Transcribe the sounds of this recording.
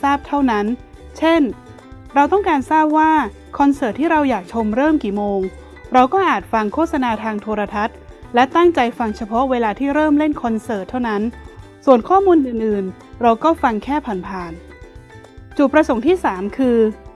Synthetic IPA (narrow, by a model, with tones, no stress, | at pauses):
saː˥˩p̚t̪ʰa˥˩wna˦˥n | t͡ɕʰe˥˩n | ɾa˧wt̪ɔ˥˩ŋkaː˧nsaː˥˩p̚waː˥˩ | kʰɔ˧nsɤː˨˩t̪ʰːiː˥˩ɾa˧wjaː˨˩k̚t͡ɕʰo˧mɾɤː˥˩mkiː˨˩moː˧ŋ | ɾa˧wkɔː˥˩ʔaː˨˩t̪̚fa˧ŋkʰoː˥˩t̪̚sa˧naː˧t̪ʰaː˧ŋt̪ʰoː˧ɾa˧t̪ʰa˦˥t̪̚ | lɛ˦˥t̪a˥˩ŋt͡ɕa˧jfa˧ŋt͡ɕʰa˧pʰɔ˦˥ʔweː˧laː˧t̪ʰiː˥˩ɾɤː˥˩mle˥˩nkʰɔ˧nsɤː˨˩t̪ʰːa˥˩wna˦˥n | su˨˩ənkʰɔː˥˩muː˧nʔɯː˨˩nʔɯː˨˩n | ɾa˧wkɔː˥˩fa˧ŋkʰɛː˥˩pʰaː˨˩npʰaː˨˩n | t͡ɕu˨˩t̪̚p̚ɾa˧so˨˩˦ŋt̪ʰiː˥˩saː˩˦mkʰɯː˧